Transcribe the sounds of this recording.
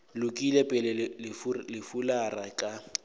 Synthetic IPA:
lʊkʼilɛpʼɛlɛlɪflɪfularakʼa

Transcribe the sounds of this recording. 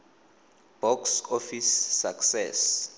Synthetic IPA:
b̥ɔksofisːaksɛ̰s

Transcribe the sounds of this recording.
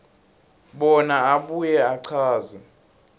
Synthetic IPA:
ɓɔnaaɓujɛaǀʰaːzi

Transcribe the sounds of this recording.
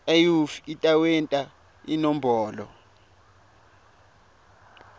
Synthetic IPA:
ajufitʼawɛntʼa | ḭnɔmbɔːlɔ̰

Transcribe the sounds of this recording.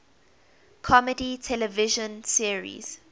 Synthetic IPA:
kʰɔməditʰɛlɛvɪʒə̃nsiəɹḭz̥

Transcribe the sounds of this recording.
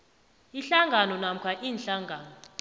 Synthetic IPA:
iɬaŋɡʱanɔnam̩kʰwaʔiːnɬaŋɡʱaːnɔ

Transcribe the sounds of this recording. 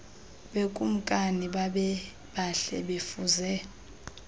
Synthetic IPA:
ɓekʼum̩kʼaniɓaɓɛ | ɓaɬɛ̰ɓefuzɛ

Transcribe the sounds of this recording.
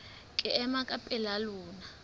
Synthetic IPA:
kʼɛɛmakʼapʼɛlaluːna

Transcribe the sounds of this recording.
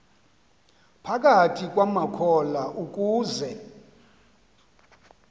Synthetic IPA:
pʰak̬ʼatʰik̬ʼwamakʰɔlaʔuk̬ʼuːzɛ

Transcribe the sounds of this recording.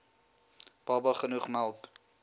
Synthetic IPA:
b̥ɑbɐχənuχmælˠk

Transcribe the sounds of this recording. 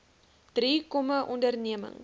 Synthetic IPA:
d̥riːkɔmaʔɔndərniəmə̰ŋ

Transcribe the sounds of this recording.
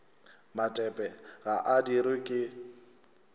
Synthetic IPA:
matʼɛpʼɛɣaʔadiɾɪkʼɪ

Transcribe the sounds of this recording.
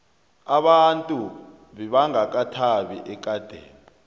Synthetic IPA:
aɓantʼu | ɓɛɓaŋak̬atʰaɓiʔɛk̬ʼad̥ʱḛːmu

